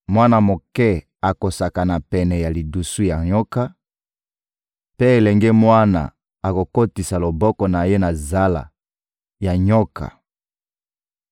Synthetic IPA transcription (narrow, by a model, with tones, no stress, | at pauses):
mwa˦na˨mo˨kɛ˦ | a˨ko˨sa˨ka˨na˨pɛ˨nɛ˨ja˨li˨du˨su˦ja˨ɲɔ˦ka˦ | pe˦e˨lɛ˨ŋɡɛ˦mwa˦na̰˨ | a˨ko˨ko˦ti˨sa˨lo˨bɔ˦kɔ˨na˨je˦na˨za˦la̰˨ | ja˨ɲɔ˦ka̰˨